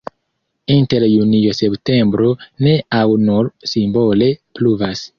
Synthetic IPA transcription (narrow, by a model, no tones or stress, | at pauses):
inteɾjuniose̞pte̞mbɾo̞ne̞ʔawnuɾsimbo̞le̞pluvas